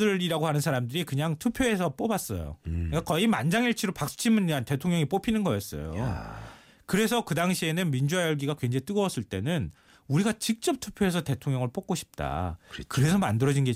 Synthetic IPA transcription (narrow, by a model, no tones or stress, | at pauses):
ɯiɾaɡohanɯnsʰaɾamdɯɾikɯɲaŋtʰupʰjoe̞sʰʌp͈obas͈ʌ̰jo̰ik͈akʌimand͡ʑaŋiɭt͡ɕʰiɾopak̚s͈ɯ̥t͡ɕʰimuɲːeante̞tʰoŋɲʌŋip͈opʰinɯnɡʌjʌs͈ʌ̰jo̰ | kɯɾe̞s̬ʰʌkɯdaŋɕʰie̞nɯnmind͡ʑuajʌɭɡiɡakwe̞nd͡ʑet͈ɯɡʌʌs͈ɯɭt͈e̞nɯn | uɾiɡat͡ɕik̚t͡ɕ͈ʌp̚tʰu̥pʰjoe̞s̬ʰʌte̞tʰoŋɲʌŋɯɭp͈ok͈oɕʰi̥p̚t͈a̰kɯɾe̞sʰʌmandɯɾʌd͡ʑinɡe